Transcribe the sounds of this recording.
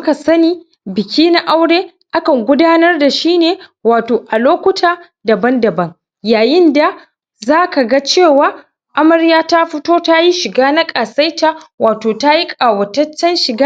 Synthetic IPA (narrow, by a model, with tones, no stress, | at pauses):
ka˨sɐ˦niː˦ | bɪ˨kʲiː˦na˦ʔa˦wɽeː˦ | ʔa˦kɐ˨ŋɡʷʊ˦daː˦nɐ˦rda˨ʃiː˦neː˨waː˨toː˨ʔa˨loː˦kʷʊ˦tʰaː˦ | dɐ˨bɐ˦ndɐ˨bɐ˦ŋ | jaː˨jɪ˦nda˨ | zaː˦ka˨ɡa˦t͡ʃeː˦˨waː˦ | ʔa˦mɐ˨ɾjaː˦ta˦ɸɪ˦toː˦ta˦ji˦ʃɪ˨ɡaː˦na˦kʼaː˨sa˦jta˨waː˨toː˨ta˦ji˦kʼaː˨wɐ˨tɐ˦t͡ʃːɐ˦nʃɪ˨ɡa˦